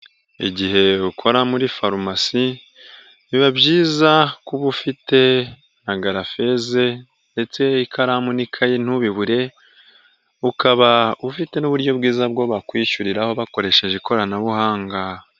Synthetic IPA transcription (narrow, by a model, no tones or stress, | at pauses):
ḭɟiɦe̞ukʰo̞ɾamuɾifaɾumasi | niβabɟiːzakuβufite̞ | naɡaɾafe̞ze̞ | nde̞t͡se̞ikʰaɾamunikʰajen̥uβiβuɾe̞ | ukaβaufite̞nuβuɾɟo̞bɡiːzab̚ɡo̞βakwiːʃuɾiɾaho̞βako̞ɾe̞ʃe̞ʒe̞ko̞ɾanaβuhaːŋɡa